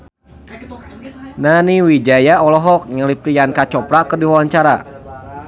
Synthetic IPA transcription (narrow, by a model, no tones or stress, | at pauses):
naniwid͡ʒajaɔlɔɦɔk̚ɲəlipɾiankat͡ʃɔpɾakərdiwawaɲt͡ʃaɾa̰